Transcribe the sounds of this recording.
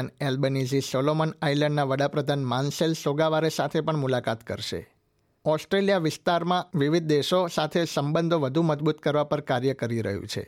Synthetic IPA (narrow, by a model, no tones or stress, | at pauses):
nelbenezisɔlomənailə̃ɳɖnaʋəɽapɾəd̪ʱanmanselsoɡaʋaɾesat̪ʰepəɳmulakat̪kə̰ɾʃḛ | ɔsʈɾeljaʋɪst̪aɾmãʋiʋid̪̚d̪eʃosat̪ʰesəmbənd̪ʱoʋəd̪ʱũməd͡ʒbut̪kəɾʋapəɾkaɾjəkəɾiɾə̰ɦṵ̃t͡ʃʰḛ